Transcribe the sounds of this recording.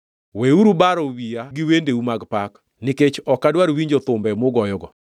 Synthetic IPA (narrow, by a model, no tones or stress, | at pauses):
weuɾubaɾɔwiaɡɪwendeumaɡpak | nɪket͡ʃɔkadwaɾwiɲd͡ʒot̪ʊmbɛmoɡɔjɔɡɔ